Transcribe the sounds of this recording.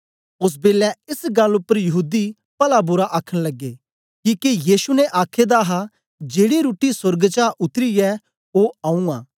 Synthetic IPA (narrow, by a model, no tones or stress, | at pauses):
ʊs̬beːlɛɪsɡɐlʊpːəɾjɐɦuːd̪i | pɐlabʊɾaʔaːkʰəɽ̃lɐɡːeː | kiːkejiːsunɛʔaːkʰed̪aɦa | d͡ʒeːɽiɾuːʈisʊɾɡt͡ʃaːʔʊt̪ɾiɛ | oaːũaː